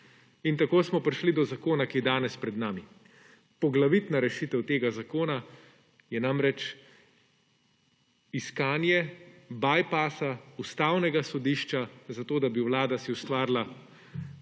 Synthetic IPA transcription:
int̪akoːsmɔpɾiʃlid̪ɔzakoːnakijɛd̪aːnɛspɾɛd̪naːmi | pɔɡlaʋit̪naɾɛʃit̪ɛwt̪eːɡazakoːna | jɛnamɾɛt͡ʃ | iskaːnjɛbaːjpaːsaust̪aːwnɛɡasɔd̪iːʃt͡ʃazat̪oːd̪abiwlaːd̪asiust̪ʋaːɾla

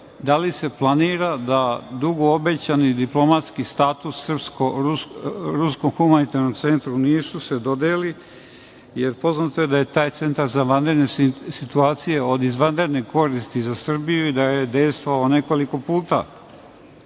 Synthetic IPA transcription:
d̪alise̞plˠaniːɾad̪ad̪uɡo̞obet͡ɕanid̪iplo̞mat̪skist̪aːt̪usːrpsko | ɾusko̞mxumanit̪aɾnomt̪se̞nt̪ɾuniːsused̪o̞d̪eːli | jeɾpo̞znat̪oed̪aje̞t̪aːjt̪se̞nt̪aɾzaʋand̪ɾed̪nesit̪uaːt̪sije̞o̞d̪izʋand̪ɾed̪nekʰo̞ɾist̪izasr̩bijuid̪ajed̪ejst̪ʋoaone̞koliko̞puːt̪a̰

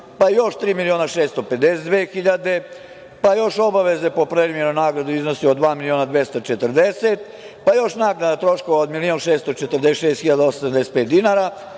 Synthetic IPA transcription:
pajo̞ʃt̪ɾiːmilio̞ːnaʃeːst̪o̞pet̪d̪esed̪ʋeːxiʎad̪e̞ | pajo̞ʃo̞baʋe̞ze̞po̞pɾeɾimjenonaːɡɾad̪uiznosiod̪ʋaːmilioːnad̪ʋjest̪ot͡ʃet̪əɾd̪eset̪ | pajo̞ʃnaːknad̪at̪ɾo̞ʃkoʋaod̪milio̞nʃeːst̪ot͡ʃet̪r̩d̪eʃeːst̪xiʎad̪aosamd̪eset̪̚peːt̪̚d̪inaɾa

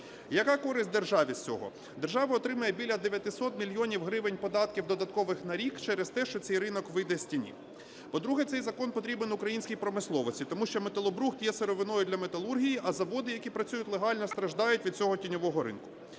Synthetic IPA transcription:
jɐkɑkɔɾɪsʲt̚ʲd̪e̞rʒɑʋʲisʲt͡sʲɔ̰ɦɔ̰ | d̪erʒɑʋɐɔt̪ɾɪmɐjɛbʲilʲjɐd̪eʋʲjɐt̪ɪsɔt̪mʲilʲjɔnʲiwɦɾɪʋɪnʲpɔd̪ɑt̪̚kʲiwd̪ɔd̪ɐt̪kɔʋɪxnɐɾʲikt͡ʃɛɾɛst̪ɛʃt͡ʃɔtsɛjrɪnɔkʋɪjd̪ɛsʲtʲinʲḭ | pɔd̪ɾuɦɛt̪sɛjzɐkɔnpɔt̪ɾʲibenʊkɾɐjinʲsʲkʲijpɾɔmɪslˠɔʋɔsʲit̪ɔmuʃt͡ʃɔmet̪ɐlˠɔbɾuxt̪jɛseɾɔʋɪnɔjʊd̪lʲɐmet̪ɐlˠurɦʲijiʔɐzɐʋɔd̪ɪjɐkʲipɾɐt͡sʲujʊtʲlˠeɦɑlʲnɔst̪ɾɐʒd̪ɑjʊtʲʋʲid̪̚t͡sʲɔɦɔtʲinʲɔʋɔɦɔɾɪ̰nkʊ̥

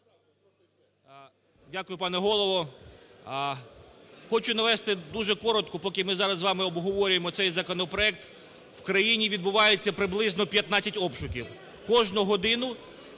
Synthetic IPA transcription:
dʲakʊjʊpɑnɛɦɔlˠɔʋɔ | xɔt͡ʃʊnɐʋɛst̪ɪd̪uʒɛkɔɾɔt̪kʊpɔkʲɪmɪzɑɾɐzʋɑmɪɔbɦɔʋɔɾʲʊjemɔt̪sɛjzɐkɔnɔpɾɔɛk̚t̪ | wkɾɐjinʲiʋʲid̪bʊʋɑjet͡sʲːɐpɾɪblˠɪznɔpʲjɐt̪nɑt͡sʲːɐtʲɔpʃʊkʲiw | kɔʒnʊɦɔd̪ɪnʊ

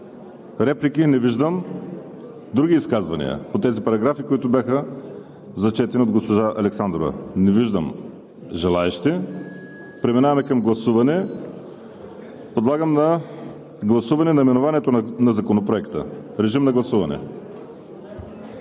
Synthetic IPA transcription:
ɾɛplikinɛviʒd̪əm | d̪ɾuɡʲiːskazvɐnḭə̰pot̪ɛzipɐɾɐɡɾafikoit̪ʊbʲjaxə | zɐt͡ʃɛt̪ɛniod̪ɡospoʒaʔɐlɛksand̪ɾovɛ̰nɛviʒd̪ə̰m | ʒɛlˠaɛʃt̪i | pɾɛminavɐmɛkɐmɡlˠɐsuvɐnɛ | pod̪lˠaɡəmnɐ | ɡlˠɐsuvɐnɛnɐimɛnovanɛt̪onɐzɐkonopɾoɛkt̪ə̰ɾɛʒimnɐɡlˠɐsuvɐnɛ̰

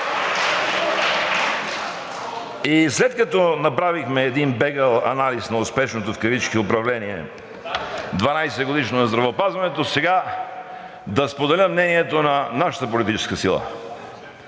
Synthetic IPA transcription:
islɛt̪kɐt̪ɔnɐpɾavixmɛːd̪inbɛɡəlˠɐ̰nalisnɐʊspɛʃnot̪ofkɐvit͡ʃkiʊpɾɐvlɛniɛ̰ | d̪vɐnajsɛɡod̪iʃnonɐzd̪ɾɐvɛopazvɐnɛt̪osɛɡa | d̪ɐspod̪ɛlʲəmnɛniɛt̪onɐnaʃɐ̥t̪əpolit̪it͡ʃɛ̥skəsilˠə̰

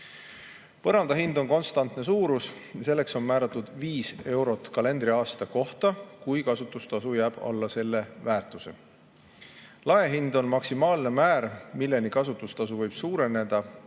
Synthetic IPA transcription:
pɤɾɑnd̪̥ɑɦind̪̥o̞nko̞nst̪ɑnt̪ne̞suːɾusjse̞lːe̞kso̞nmæːɾɑt̪ːˑud̪̥viːse̞wɾo̞t̪ˑkɑle̞nd̪̥ɾiɑːst̪ɑko̞ht̪ɑkujkɑsut̪ːˑust̪ɑsujæːb̥ɑ̰lːɑse̞lːe̞væːrt̪ˑuse̞̰ | lɑeɦind̪o̞nmɑksimɑːlne̞mæːɾmilːe̞nikɑsut̪ːˑust̪ɑsuvɤjb̥suːɾe̞ne̞d̪̥ɑ

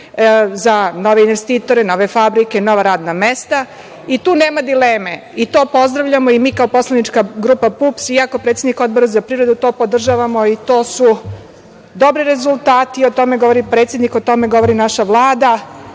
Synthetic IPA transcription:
zano̞ʋeinʋest̪iːt̪o̞ɾeno̞ʋe̞fabɾike̞no̞ʋaɾaːd̪namest̪a | it̪uːne̞ːmad̪ileːme | it̪o̞ːpo̞zd̪ɾaʋʎamo̞imiːkaopo̞slanit͡ʃkaɡɾuːpapupsiako̞pɾet̪sed̪niko̞d̪̚bo̞ɾazapɾiʋɾe̞d̪ut̪o̞po̞d̪r̩ʒaʋamo̞it̪o̞ːsu | d̪o̞bɾiɾe̞zulˠt̪aːt̪iot̪o̞me̞ɡoʋo̞ɾipɾet̪sje̞d̪niko̞t̪o̞meɡo̞ʋo̞ɾinaʃaʋlˠaːd̪a

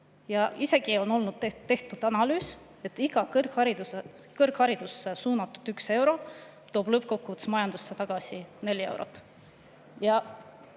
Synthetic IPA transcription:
jɑʔise̞ɡ̥io̞no̞lnud̪̥t̪ːe̞ht̪ud̪̥ɑnɑlyːs | e̞t̪ːˑiɡ̥ɑkkhɑɾid̪̥use | kɤrkhɑɾid̪̥usːesuːnɑt̪ːˑu̥d̪̥ykse̞wɾo̞ | t̪o̞ːb̥lɤp̚ːˑko̞kːuut̪ːsmɑjɑnd̪̥usːet̪ɑɡ̥ɑsine̞lʲie̞wɾo̰t̪ːˑ | jɑ

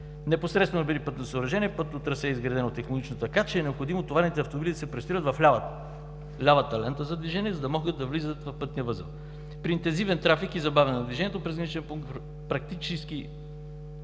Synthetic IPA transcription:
nɛposɾɛt̪st̪vɛnobid̪ipɤt̪nosəoɾɐʒɛniɛpɤt̪ot̪ɾɐsɛizɡɾɐd̪ɛnot̪ɛxnonit͡ʃnot̪ɐkat͡ʃɛːnɛopxod̪imot̪ovaɾnit̪ɛɐft̪ombid̪id̪ɐsɛpɾɛst̪iɾət̪vɐfa | lʲavət̪ːɐlɛnt̪əzɐd̪viʒɛnʲiɛzɐd̪ɐmɔɡəd̪ɐvlizət̪vɐfpɤt̪nijəvɤzə̰ | pɾiːnt̪ɛnzivɛnt̪ɾafikizɐbavɛnnɐd̪viʒɛniɛt̪opɾɛzɡɐnit͡ʃɛnpuŋkt̪ | pɾɐk̚t̪it͡ʃɛsk̟i

